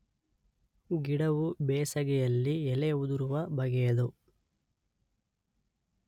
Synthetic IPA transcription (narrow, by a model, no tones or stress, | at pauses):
ɡiɽɐʋubɛːsɐɡɛjɐlːiɛleud̪uɾuʋɐbʱɐɡɛjɐd̪u